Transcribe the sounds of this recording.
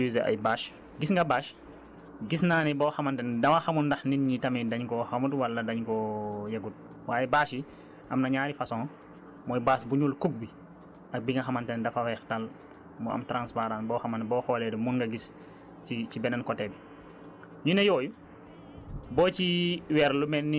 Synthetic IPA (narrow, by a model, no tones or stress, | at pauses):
izɐɐ̰jbaːʃ | ɡisŋɡɐbaːʃ | ɡisnaːnɛbɔːxɐmɐntɛndɐmɐxɐmundɐxninɲitɐmidɐɲkɔxɐmutwɐlːɐdɐɲkɔjɐɡut̚ | waːjɛbaːʃi | ʔɐmnɐɲaːɾifɐsɔ̃ːŋ | mɔːjbaːsbuɲulkuk̚bi | ɐk̚biŋɐxɐmɐntɛndɐfɐwɛxtal | mɔɐ̰mtɾanspaɾanbɔːxɐmɐnbɔːxɔːlɛdumunɡɐɡis | cicibɛnɛnkɔtɛbi | ɲunɐjɔːju | bɔːt͡ʃiwɛɾlumɛnːi